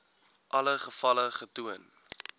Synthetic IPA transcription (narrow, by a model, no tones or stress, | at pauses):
ʔɐləχəfɐləχətuən